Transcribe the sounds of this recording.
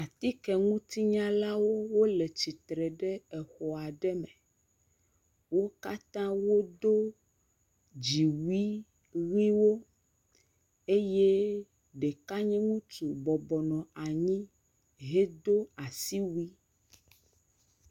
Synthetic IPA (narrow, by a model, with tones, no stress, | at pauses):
a˨t̪i˦kɛ˨ŋũ˦t̪i˦ɲã˦la˦wo˦wo˦lɛ˨t͡ɕi˨t̪ɾɛ˨ɖɛ˦ɛ˨xɔ˨a˨ɖɛ˦mɛ˨ | wo˦ka˦t̪ã˦wo˦d̪o˦ | d͡ʒi˨wi˦ | wi˦wo˦ | e˦je˦ | ɖe˨ka˦ɲɛ̃˦ŋũ˦t̪u˨bɔ˨bɔ˨nɔ̃˨a˨ɲĩ˦ | ɦe˦d̪o˦a˨si˦wi˦